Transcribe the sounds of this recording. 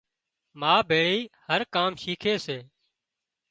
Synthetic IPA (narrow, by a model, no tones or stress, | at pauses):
maːbʱeːɭiːhəɾkaːmʃiːkʰeːseː